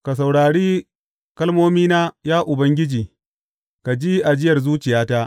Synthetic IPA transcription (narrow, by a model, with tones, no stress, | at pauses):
ka˨s̬a˨wɽaː˨ɽiː˦ | kɐ˦lmoː˦miː˦naː˦jaː˦ʔʊ˨bɐ˦ŋɡʲɪ˦d͡ʒiː˨ | ka˨d͡ʒiː˦ʔa˨d͡ʒɪ˦jɐ˨rzuː˦t͡ʃɪ˨jaː˦ta˦ʔ